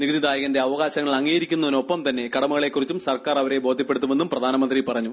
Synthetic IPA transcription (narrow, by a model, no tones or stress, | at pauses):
niɡɐd̪id̪aːjɐɣɐnde̞ɐʋɐɣaːɕɐŋːɐɭɐŋːiːjɐɾikʲːunːɐʋɐno̞pːɐmt̪ɐnːe̞kɐɽɐmuɣɐɭe̞kːurit͡ɕːumsɐrkaːrɐʋɐɾe̞bo̞ːd̪ʱjɐpːe̞ɽut̪ːume̞nːumprɐd̪ʱaːnɐmɐnd̪ripɐrɐɲːu